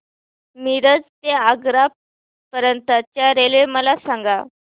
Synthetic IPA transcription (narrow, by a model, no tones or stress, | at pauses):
miɾəd͡zt̪eaɡɾa | pəɾənt̪at͡ɕjaɾeleməlasãŋɡa